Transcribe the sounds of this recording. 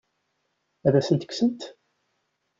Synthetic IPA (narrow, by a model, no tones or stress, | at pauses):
æðæsənt̪ə̥ksəmt̪